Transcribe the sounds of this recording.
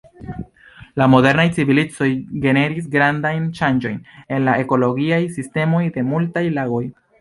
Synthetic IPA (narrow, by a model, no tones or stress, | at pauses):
lamo̞de̞ɾnajt͡sivilit͡so̞jɡe̞ne̞ɾis̬ɡɾandajnʃand͡ʒo̞jne̞nlae̞ko̞lo̞ɡiajsiste̞mo̞jde̞multajlaɡo̞j